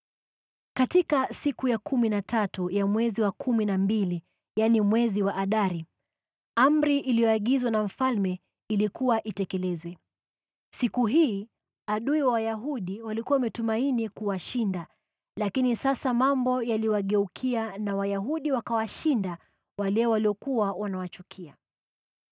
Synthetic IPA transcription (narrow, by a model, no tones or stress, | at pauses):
katikasikujakʰuminatʰatujamwɛziwakʰuminambili | janimwɛziwaʔaɗaɾi | am̩ɾiʔilijɔaɠizwanam̩falmɛ | ilikuwaʔitɛkɛlɛzwɛ | sikuɦiː | aɗuiwawajaɦuɗiwalikuwawamɛtumainikuwaʃinda | lakinisasamambɔjaliwaɠɛukʰianawajaɦuɗiwakawaʃinda | walɛwaliɔkuwawanawat͡ʃukʰia